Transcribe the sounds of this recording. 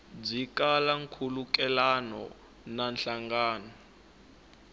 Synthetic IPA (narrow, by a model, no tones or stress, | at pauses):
b͡ʐikalaŋkʰuluk̬ʼɛlanɔ̰ | nanɬaŋɡaːnɔ